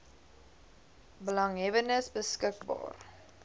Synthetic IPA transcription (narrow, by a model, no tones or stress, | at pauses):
bəlɐŋɦɛvənəsbəskək̚bɑ̰ːr